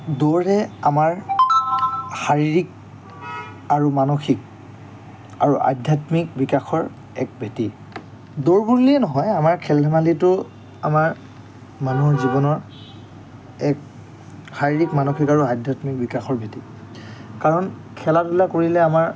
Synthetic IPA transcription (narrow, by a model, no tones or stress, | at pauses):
doɹɦɛamaɹ | xaɹiɹik̚ | aɹumanoxik̚ | a̰ɹuʔa̰dʱjatmikbikaxɔɹ | ɛ̰k̚bʱeti | doɹbuɹliɛnɔɦɔjamaɹkʰɛlɛmalitʊ | a̰maɹ | manuzibɔnɔɹ | ɛk̚ | xaɹiɹikmanoxikaɹuadʱjatmik̚bikaxɔɹbʱeti | kaɹɔnkʰɛlatulakoɹilɛamaɹ